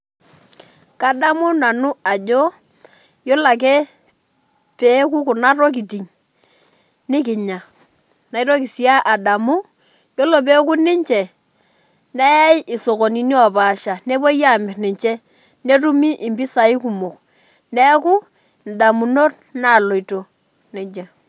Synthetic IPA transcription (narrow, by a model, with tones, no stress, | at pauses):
ka˦da˦mu˦na˨nʊ˦a˨d͡ʒo˦ | jo˦la˨k̬ɛ˦ | pe˨˦k̬u˦ku˨na˦ɾo˦k̬i˨ti˨ŋ | nɪ˦k̬ɪ˨ɲa˨ | na˨i˦ɾo˦ki˨si˨a˦ʔa˨da˨mu˦ | jo˦lo˨p̬e˦k̬u˦nɪ˦ɲt͡ʃɛ˨ | nɛ˦ja˦jɪ˨so˨ko˨ni˨ni˦ɔ˨baː˨ʃa˨ne˦bo˦ja˦˨mɪ˨rnɪ˨ɲt͡ʃɛ˦ | ne˦tu˦mi˦ʔɪ˨mbi˦sa˨i˦ku˨mo˨k | nɛ˦ku˦ | n˨da˨mu˨no˦t | na˦˨lo˨i˨to˨ | nɛ˨d͡ʒa˨